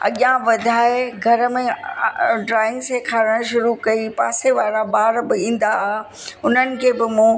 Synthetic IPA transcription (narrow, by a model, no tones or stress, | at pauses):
ɐ̰ɠjãʋɐd̪ʱaːeɡʱɐɾəmẽ | ɖɾaːɪ̃ŋɡsekʰaːɾəɽ̃ʃʊɾukɐipaːseʋaːɾabaːɾbɪĩːn̆d̪aa | ʊn̤ənɪ̆kʰeːbɪmũ